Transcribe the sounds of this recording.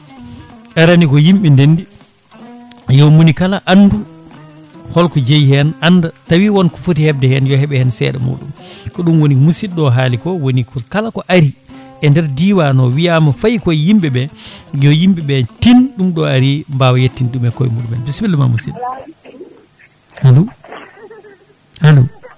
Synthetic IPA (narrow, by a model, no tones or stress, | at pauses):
ʔɛɾanikɔjimɓindenːdi | jɔmunikalaʔanːdu | hɔlkɔd͡ʒejhɛnanːdatawiwɔnkɔfotihɛbdɛhɛnjɔhɛɓɛhɛnsɛ̰ɗɛ̰mṵːɗṵmkɔɗumwonimusinɗɔɦaːlikɔwonikʰɔkalakɔʔaɾiʔɛndɛɾdiːwanɔwijaːmafajkɔjjimbɛbɛjɔjimbɛɓɛtinɗumɗɔaɾimbawajetːinɗumɛkɔ̰jmuɗumɛnbisbilːɛma̰musḭn | halu | halu